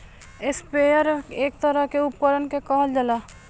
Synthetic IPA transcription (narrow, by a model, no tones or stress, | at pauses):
ɪspeːjəɾeːk̚t̪əɾəɦkeʊpkəɾənkekaːld͡ʒəlaː